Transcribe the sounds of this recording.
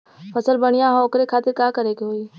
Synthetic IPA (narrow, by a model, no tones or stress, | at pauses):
pʰəsəlbɐɽ̃ijaɦɔːkɾekʰaːt̪eɾkaːkəɾeːkeɦoi